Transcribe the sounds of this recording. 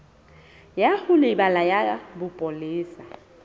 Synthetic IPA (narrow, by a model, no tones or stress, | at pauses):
jahʊlɪbalajabʊpʼoliːsa